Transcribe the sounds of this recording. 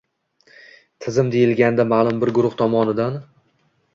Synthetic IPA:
t̪ʰɪzɪmd̪ejɪlɡʲanɪd̪amaːlˠʊmbɪɾɡʊɾʊht̪ʰɒmɒnɪd̪an

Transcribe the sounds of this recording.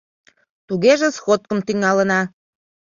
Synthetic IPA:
t̪uɣeʒĕsxot̪̚kəmt̪yŋɑlənɑ

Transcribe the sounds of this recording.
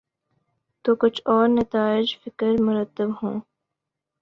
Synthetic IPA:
t̪oːkʊt͡ʃʰɔːɾnɐt̪aːɪd͡ʒfɪkəɾmʊɾət̪ːəbɦõː

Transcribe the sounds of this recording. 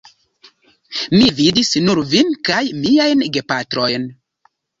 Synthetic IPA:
mividisnuɾvinkajmiajnɡepatɾo̞jn

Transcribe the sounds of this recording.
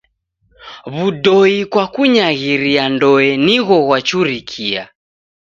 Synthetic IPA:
βudɔikwakuɲaɣiɾiandɔɛniɣɔɣwat͡ʃuɾikʰia̰

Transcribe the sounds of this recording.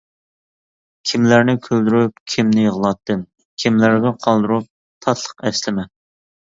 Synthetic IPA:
kʲʰimlæɾnɪkʲʰøld̪yɾyp̚kʲʰimnɪjəʁəlˠɑt̪ːɨm | kʲʰimlæɾɡ̪ʲɪqʰɑlˠd̪uɾup̚ | t̪ʰɑt̪ʰlˠə̥qɛslɪmɛ

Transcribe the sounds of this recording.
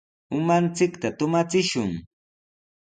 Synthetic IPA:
ʊmant͡sɪkt̪at̪ʊmat͡sɪʃʊŋ

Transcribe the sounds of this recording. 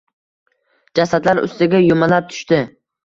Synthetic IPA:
d͡ʒasad̪laɾʊ̰st̪ɪɡʲajʊmalap̚t̪ʰʊ̥ʃt̪ɪ

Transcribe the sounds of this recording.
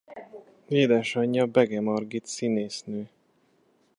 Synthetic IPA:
veːd̪ɛʃɒɲːɒbɛɡɛmɒrɡit̪sineːsnøː

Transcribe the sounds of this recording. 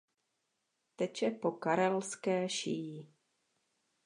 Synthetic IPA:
t̪ɛt͡ʃɛpo̞kaɾɛlskɛːʃiji

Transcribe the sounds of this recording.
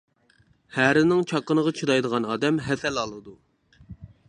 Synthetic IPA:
hæɾɪnɪŋt͡ʃʰɑqːənəʁɑt͡ʃʰiɾɑjd̪əʁɑnɑːd̪ɛmɦɛsɛlɑlˠɨd̪u

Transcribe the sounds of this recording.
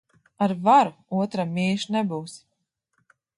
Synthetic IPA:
aɾvaɾuuɔt̪ɾamʲiːʃnɛbuːs

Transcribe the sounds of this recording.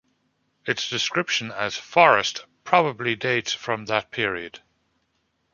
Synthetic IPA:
ɪtsd̥ɪskɹɪpʃə̃nəz̥fɔɹəstpʰɹ̥ɑbəblideɪtsfɹə̃mðət̚pʰɪəɹiəd̥

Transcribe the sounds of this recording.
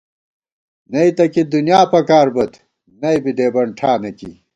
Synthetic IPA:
nɐit̪ɐkid̪unjaːpɐkaːɾbɐt̪ | nɐjbid̪eːbɐɳʈʰaːnɐkḭ

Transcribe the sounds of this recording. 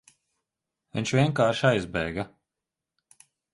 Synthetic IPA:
vɛnʲʃvʲiɛŋkaːɾʃajzbɛ̰ːɡa

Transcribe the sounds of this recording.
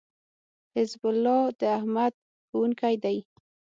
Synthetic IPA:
hɪzbʊlːɑd̪əahmad̪̚ | xuwuŋkajd̪aj

